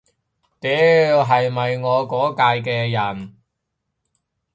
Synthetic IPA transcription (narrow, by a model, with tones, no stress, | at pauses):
t̪e˨˥ɦɐ˨jmɐ˨jŋɔː˨˧kɔː˨˥kaː˧jkɛː˧jɐ˨˩n